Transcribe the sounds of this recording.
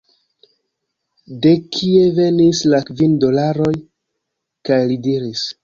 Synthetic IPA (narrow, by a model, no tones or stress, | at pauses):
de̞kʰie̞ve̞nislakvindo̞laɾo̞j | kajlidiɾis